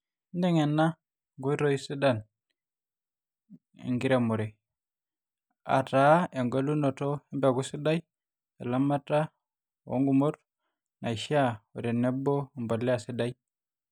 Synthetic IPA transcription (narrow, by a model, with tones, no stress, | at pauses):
nde˦ŋe˨nːa˦ | ŋɡo˦i˦ɾo˦i˦si˦da˦˨n | ḛ˨ŋɡi˦ɾe˦˨mu˨ɾe˨ | a̰˨ta˦e˨ŋɡo˦lu˦no˨to˦e˦mbe˨ɡu˦si˦da˦j | a̰˨la˦ma˦ta˦ | wo̰˦ŋɡu˨mo˦ɾ | na˨i˨ʃa˦o̰˨de˨ne˦bo˦mbo˨lːe˦a˨si˦da˦j